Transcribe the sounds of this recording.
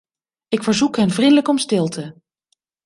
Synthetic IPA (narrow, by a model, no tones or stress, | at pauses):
ɪkfəɹzukɦɛnvrindələkɔmstɪlˠtʰə